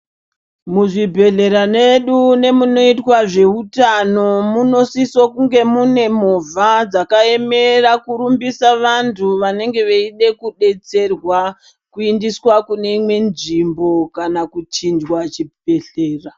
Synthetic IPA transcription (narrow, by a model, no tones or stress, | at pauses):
muʐibʱe̞ɮe̞ɾane̞ɗune̞muno̞itwaʐe̞utano̞muno̞sisokuŋɡe̞mune̞mo̞vʱad͡zakae̞me̞rakuɾumbisaʋantʰuʋane̞ŋɡe̞ʋeiɗe̞kuɗe̞t͡se̞rwa | kuindiswakune̞imwe̞nʐimbo̞kanakut͡ʃind͡ʒwat͡ʃie̞ɬeːra